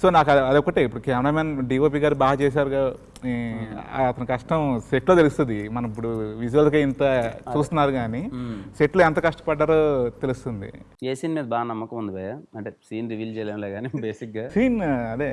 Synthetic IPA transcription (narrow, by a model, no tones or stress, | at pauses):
so̞ːnaːkɐɐd̪ɔkːɐʈeipuɽukaːmɐɾaːmaːnɖiːʋoːp̬iːɡaːɾibaːɦɐt͡ʃɛːs̬aːɾuɡaː | ɐt̪ɐnɐkɐʂʈɐmseʈloːt̪e̞lust̪und̪imɐnɐmip̬ːuɽuʋid͡ʒuʋɐlkɐint̪ɐt͡ʃuːst̪unːaːɾuɡaːniseʈloːɛnt̪ɐkɐʂʈɐ̥pɐɖːaːɾoːt̪elust̪und̪ḭ | eːsiːnmeːd̪baːɐnɐmːɐkɐmund̪ibɐːjaɐɳʈeːsiːnɾiʋiːlt͡ʃɛːleːmlaɡaːnibeːsikɡaːsiːnɐd̪eː